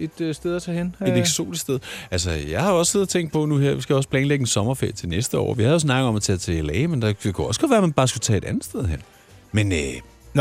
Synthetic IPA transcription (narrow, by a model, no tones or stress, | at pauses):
e̝d̥sd̥eð̞ˠɐt͡sʰɛːhene̝deɡ̥so̝̰ːd̥issd̥eð̞ˠælsɐjɑ̈ɪhɑ̈oɒsse̝ðˠɐt͡sʰeŋ̰ɡd̥̚pʰɒ̽nuheɐʋisɡ̥æjɒs̬pʰlɛːnleɡ̥n̩sɒ̽mɐfḛɐ̰t͡sʰe̝lnesd̥əɒ̰ːʋihæðjo̝s̬nɑ̈ɡ̥ð̩ˠɒ̽mæt͡sʰɛ̰ːt͡sʰe̝lɛːɪmend̥ɑ̥̈kʰuɒ̽sɡ̥ɒ̽d̥ʋæːɐmænb̥ɑ̈ːsɡ̥ut͡sʰɛ̰ːe̥ænð̩ˠsd̥eð̞ˠɦen̰ | menø